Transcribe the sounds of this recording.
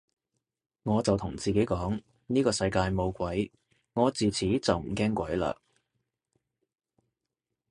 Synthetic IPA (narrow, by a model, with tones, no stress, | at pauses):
ŋɔː˨˧t͡sɐ˨wt̪ʰʊ˨˩ŋt͡siː˨˩ke˨˥jkɔː˨˥ŋ | niː˥kɔː˧sɐ˧jkaː˧jmo˨˧wkʷɐ˨˥j | ŋɔː˨˧t͡siː˨t͡sʰiː˨˥t͡sɐ˨wm̩˨˩kɛː˥ŋkʷɐ˨˥jla̰ː˧